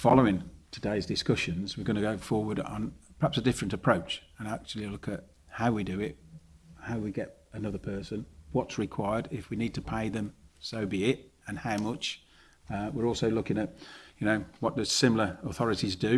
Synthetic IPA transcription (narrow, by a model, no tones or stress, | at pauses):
fɑlˠoʊɪ̃ŋtʰədeɪzdɨskʌʃɨ̃nzwɨɹɡʌñɨɡoʊfɔːɹwə˞ɾə̃n̩pʰə˞hæpsədɪfɹɨ̃ntəpʰɹ̥oʊt͡ʃə̃næk̚t͡ʃul̩ˠilʊkɨt̚ | haʊwidɨɪt̚haʊwiɡɛɾənʌðə˞pʰɜ˞sɨ̃nwɒtsɹɨkʰw̥aɪə˞ɾɪfwinid̚tʰəpʰeɪðɨ̃msoʊbiɪtɨ̃nhaʊmʌt͡ʃ | wɪɹɔˑlˠsoʊlʊkɪ̃ŋɨt̚jɨnoʊwɒt̚d̥ʌz̥sɪ̃ml̩ˠə˞əθɒɹɨɾizdɨ